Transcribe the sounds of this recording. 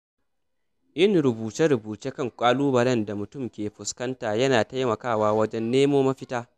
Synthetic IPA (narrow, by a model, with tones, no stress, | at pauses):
ʔɪ˦˨nɾʊ˨buː˨t͡ʃɛ˦ɾʊ˨buː˨t͡ʃeː˦kɐ˦˨ŋkʷʼaː˦luː˦bɐ˨ɾɛ˦nda˨mʊ˨tʊ˦mkʲeː˨ɸʊ˨skɐ˦ntaː˨jɐ˦naː˨ta˦jmɐ˨kaː˦˨waː˦wɐ˦d͡ʒɛ˦nːeː˦moː˦mɐ˦ɸɪ˦taː˦